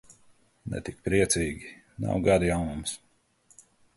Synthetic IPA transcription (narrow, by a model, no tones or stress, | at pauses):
nɛ̰t̪ik̚pɾiɛt̪siːɡʲi | na̰wɡaɾjawnums